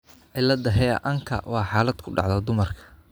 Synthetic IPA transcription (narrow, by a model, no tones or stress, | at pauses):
ʕɪlɐd̪ɐɦɛɐ̰ʔɐŋkʰɐ̰wɑːħaːlɐd̪̚kʰʊɖɑ̰ʕðɐd̪ʊmɐrkʰɐ̥